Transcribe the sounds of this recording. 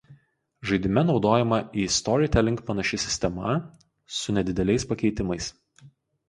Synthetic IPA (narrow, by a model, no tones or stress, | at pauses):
ʒɐɪd̪ʲɪmʲɛnɒʊd̪oːjɛmɐʔiːst̪ɔɾʲɪt̪ʲɛlʲɪŋkpɐnɐʃʲɪsʲɪ̥sʲt̪ʲɛmɐ | sʊnʲɛd̪ʲɪd̪ʲɛlʲɛɪspɐkʲɛɪt̪ʲɪmɐɪs